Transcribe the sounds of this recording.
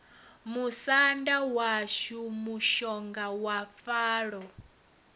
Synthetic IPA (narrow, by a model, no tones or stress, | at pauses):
musandawaʃumuʃɔŋɡawap̪faːɺɔ